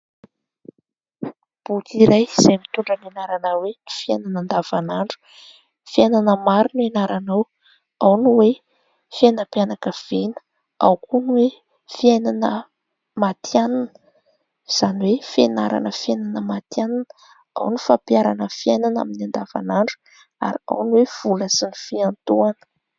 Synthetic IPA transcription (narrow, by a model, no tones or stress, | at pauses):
b̥ut̪iɾajz̥ajmit̪uɳɖ͡ʐənenaɾanawenifiananand̪av̥anaɳɖ͡ʐu̥ | fiananəmaɾinenaɾanaw | awnuwe | fianəpianakəv̥enə̥ | a̰wkunwe | fiajnanə | mat̪ʰjananə̥ | z̥aniwefienaɾa̰nəfiajnanəmat̪jananə | a̰wnifapjaɾanəfiajnana̰minand̪ava̰naɳɖ͡ʐu̥ | a̰ɾia̰wniwev̥uləsinifiant̪uanə̥